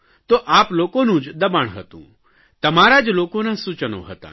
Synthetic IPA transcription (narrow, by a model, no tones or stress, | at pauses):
t̪oʔaːploːkõnũːd͡ʒd̪ɐbaːɳ̃ɦə̰t̪ṵ̃ː | t̪ɐmaːɾad͡ʒloːkõnãsut͡ʃəno̰ɦət̪ã̰ː